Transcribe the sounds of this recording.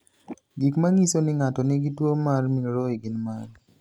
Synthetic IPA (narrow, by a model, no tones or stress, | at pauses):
ɡikmaŋisonɪŋatɔnɪɡitwomarmiɾɔiɡɪnman